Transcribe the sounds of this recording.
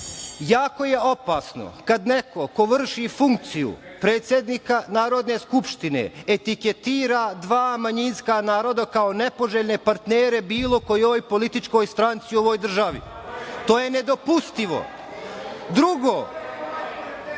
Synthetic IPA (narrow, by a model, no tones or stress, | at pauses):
jaːko̞je̞o̞paːsno̞̰kad̪neko̞ko̞ʋr̩ʃifuŋk̚t̪sijṵpɾe̞ːt̪sjed̪nikanaːɾo̞d̪ne̞skupʃt̪inḛet̪iket̪iːɾad̪ʋaːmaɲinskanaːɾo̞d̪akaone̞po̞ʒeːʎne̞paɾt̪neːɾe̞biːlˠo̞ko̞jojpo̞lit̪it͡ʃko̞jst̪ɾant̪sioʋo̞ːjd̪r̩ʒaʋḭt̪o̞ːjene̞d̪o̞pust̪iʋo̞̰ | d̪ɾuɡo̞ː